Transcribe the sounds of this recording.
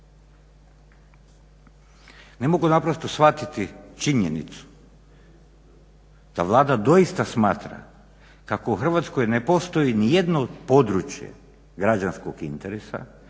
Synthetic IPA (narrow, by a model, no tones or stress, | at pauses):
ne̞mo̞ɡunapɾo̞st̪o̞sʋat̪it̪it͡ʃiɲenḭt̪su̥ | d̪̥aʋlˠaːd̪ad̪o̞jist̪asmaːt̪ɾa̰ | kakouxr̩ʋat̪sko̞jne̞po̞st̪o̞jinije̞d̪noːd̪po̞d̪ɾut͡ʃjḛ | ɡɾad͡ʒanskoɡint̪eɾesa̰